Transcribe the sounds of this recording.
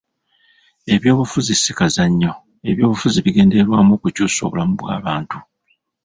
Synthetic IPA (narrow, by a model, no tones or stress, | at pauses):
e̞βjo̞ːβufuzisikazaɲːo̞ | e̞βjo̞ːβufuziβiɡe̞ːnde̞ɾwaːmoːkucuːso̞̰βolamuβwa̰ːβaːntu